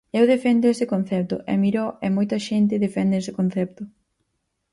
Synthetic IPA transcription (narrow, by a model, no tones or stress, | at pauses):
ɛwðefɛnd̪eesɪkon̟θɛp̚t̪ʊ̰ʔɛ̰miɾoʔɛmojt̪ɐʃent̪ɪðefɛnd̪eesɪ̥kon̟θɛp̚t̪ʊ